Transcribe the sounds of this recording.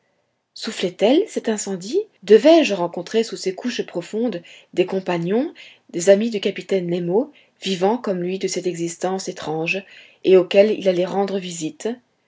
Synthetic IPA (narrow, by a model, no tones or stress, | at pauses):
suflɛt̪ɛlsɛt̪ɛ̃sɑ̃d̪id̪əvɛʒʁɑ̃kɔ̃t̪χesusekʰuʃpχɔfɔ̃d̪d̪ekɔ̃paɲjɔ̃ | d̪ezamid̪ykapit̪ɛnlemo | vivɑ̃kɔmlɥid̪əsɛt̪ɛɡzist̪ɑ̃set̪χɑ̃ʒ | eokʲɛlḭlalɛʁɑ̃d̪ʁəvizit̪